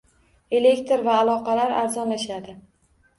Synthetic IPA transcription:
e̞le̞kt̪ʰɾvaːlˠɒqʰɑlaɾaɾzɒnlaʃad̪ɪ

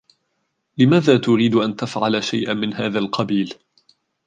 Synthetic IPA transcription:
lɪmaːðaːt̪ʊɾiːd̪ʔant̪afʕalaʃajʔamɪnɦaːðaːlqɑbiːl

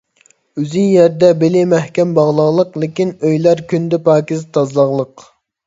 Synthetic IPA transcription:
yzinjɛɾd̪ɛbɪlɪmæhkʲɛmbɑʁlˠɑʁlˠəqlˠɪkʲinøjlæɾkʲʰynd̪ɛpɑːkʲizt̪ʰɑzlˠɑʁlˠəq

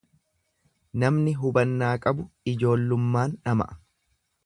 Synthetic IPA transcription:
nɐmnɪɦʊbɐnːaːkʼɐbʊɪd͡ʒo̞ːlːʊmːaːnᶑɐmɐ̰ʔɐ̥

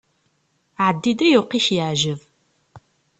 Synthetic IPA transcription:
ʕəd̪ːid̪æjʊqiçjəʕʒəv

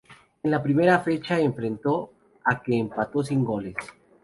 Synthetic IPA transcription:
enlapɾime̞ɾafe̞t͡ʃaeɱfɾent̪o̞ | ake̞ːmpat̪o̞s̬iŋɡo̞le̞s

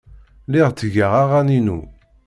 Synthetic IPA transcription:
liʁt͡s̪ːəʝaʁaʁaninṵ

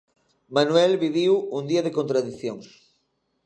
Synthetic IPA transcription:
manwɛlβiβiwund̪iɐðekõnt̪ɾaðiθjoŋs

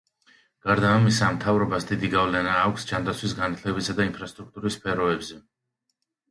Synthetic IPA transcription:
ɡ̥aɾd̪aːmisamt̪ʰavɾɔbasd̪id̪iɡavlɛnaːkʷʰsd͡ʒand̪at̪sʰwisɡanat̪ʰlɛbisad̪ainpʰɾast̪ʼɾuk̚t̪ʼuɾisːpʰɛɾɔɛbzɛ

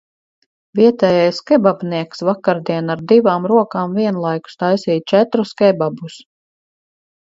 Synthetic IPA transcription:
viɛt̪ɛːjajskɛbabniɛksvakaɾd̪iɛnaɾd̪ivaːmɾuɔkaːmviɛnlˠajku̥st̪ajsiːt̪̚t͡ʃɛt̪ɾuskɛbabus

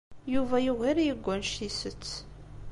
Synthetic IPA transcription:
juvæjuʁiɾjəɡʷːænʃisət͡sː

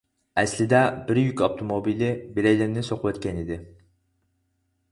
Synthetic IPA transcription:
ɛslɪd̪ɛbɪɾjykʲab̚t̪ʰomobilɪbiɾɛjlɪɾnɪsoqʰʊwɛt̪kʲʰɛnid̪ɪ

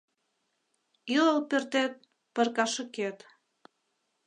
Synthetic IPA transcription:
ilolpert̪et̪̚ | pə̆rkɑʃə̆ket̪

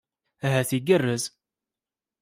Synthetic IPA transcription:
æɦæθiɡərːəz

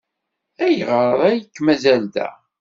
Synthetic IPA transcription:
æjʁəɾˤðˤæjəkːmæzæld̪æ̰

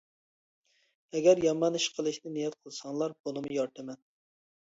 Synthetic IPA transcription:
ɛɡʲɛɾjɑmɑnɨʃqʰəlˠɨʃnɪnijɛt̪̚qʰəlˠsɑŋlˠɑɾbonɨmujɑɾt̪ʰɛmɛn

